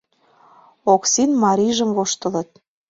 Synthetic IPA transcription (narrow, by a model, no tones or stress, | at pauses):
oksinmɑɾʲiʒə̆mvoʃt̪ə̆lə̆t̪̚